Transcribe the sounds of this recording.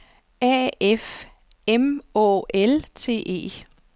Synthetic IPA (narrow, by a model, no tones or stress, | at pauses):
æef | emɔ̰ːelt͡sʰe̝̰ːʔe̝̰ː